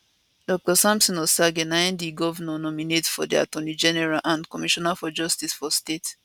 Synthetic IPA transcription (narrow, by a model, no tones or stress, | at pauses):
d̥ɔk̚tɔsãmsɔ̃nɔsaɡɛnãndiɡɔvnɔnɔminetfɔ̰dia̰tɔnid͡ʒɛnɛɹalʔãndkɔmiʃɔnafɔd͡ʒɔstisfɔstet